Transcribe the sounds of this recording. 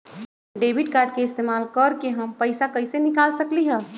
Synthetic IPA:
ɖebiɖ̚kaːɾɖ̚keɪst̪eːmaːlkəɾkeɦəmpəɪsakəɪsenɪkalsəkliɦɛ

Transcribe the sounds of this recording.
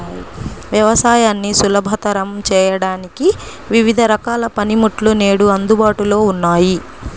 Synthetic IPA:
ʋjɐʋɐsaːjaːnːisulɐbʱɐt̪ɐɾɐmt͡ʃɛːjɐɽaːniki | ʋiʋid̪ʱɐɾɐkaːlɐpɐnimuʈluneːɽuɐnd̪ubaːʈulo̞ːunːaːji

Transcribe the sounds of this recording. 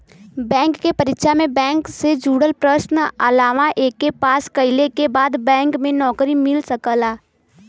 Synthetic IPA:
bɛ̃ːŋkːepɐɾɪtʃamẽbɛ̃ːŋksed͡ʒuːɽəlpɾəʃnə̰laːʋaʔeːkːepaːskəɪlekebaːd̪bɛ̃ːŋkmẽnɔːkɾimɪlsəkəlaː

